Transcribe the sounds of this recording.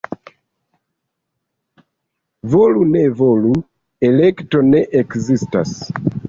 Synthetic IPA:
volunevolu | ɛlɛktonɛʔɛkzista̰s

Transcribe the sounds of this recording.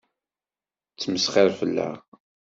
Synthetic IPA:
t͡sːməsχɪɾfəlːæ̰

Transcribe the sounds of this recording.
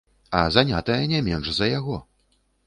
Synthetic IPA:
ɐzanʲat̪ɐjɐnʲɛmʲɛnʂzɐjaɣɔ

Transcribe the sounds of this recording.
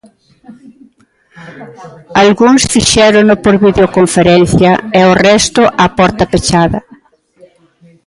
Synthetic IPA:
alɣuŋsfiʃɛɾʊnʊpoɾβiðeokoɱfeɾɛn̟θjɐɛorɛst̪ʊʔɐpɔɾt̪ɐpet͡ʃaðɐ

